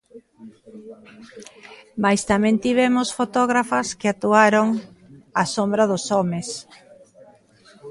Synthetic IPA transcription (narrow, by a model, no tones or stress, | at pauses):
majst̪amɛ̃nt̪iβ̞ɛmʊsfot̪ɔɣɾafɐskɪat̪uaɾoŋasombɾɐðʊsɔmes